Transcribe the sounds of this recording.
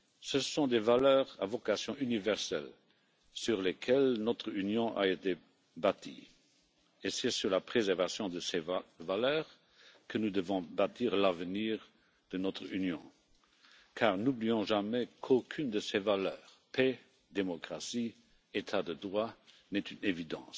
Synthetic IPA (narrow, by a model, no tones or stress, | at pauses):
səsɔ̃d̪evalœːʁavɔkasjɔ̃ʔynivɛʁsɛ̰l | syʁlekʰɛlnɔt̪χynjɔ̃ʔa̰et̪e | bat̪ʰḭ | esɛsyʁlapχezɛʁvasjɔ̃d̪əsɛvalœːʁ | kənud̪əvɔ̃bat̪ʰiːʁlavəniːʁ | d̪̥ənɔt̪χynjɔ̰̃ | kʰaːʁnubliɔ̃ʒamɛkʰokʰynd̪əsevalœːʁ | pʰɛ | d̪emɔkʁasi | et̪ʰad̪əd̪ʁwa | nɛt̪ynevid̪ɑ̃ːs